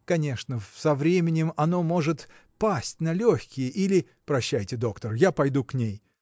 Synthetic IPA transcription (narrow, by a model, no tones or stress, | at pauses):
kɐnʲe̞ʂnəsɐvɾʲemʲɪnʲɪmɐno̞mo̞ʐɨt̪ | pasʲtʲnɐlʲoxʲkʲɪjəʔilʲɪ | pɾɐɕːæjtʲɪd̪o̞kt̪ərjapɐjd̪uknʲej